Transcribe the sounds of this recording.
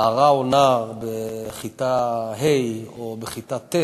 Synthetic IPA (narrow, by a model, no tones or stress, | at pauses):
aʁaonaʁbeχit̪aɦejobeχit̪at̪ːe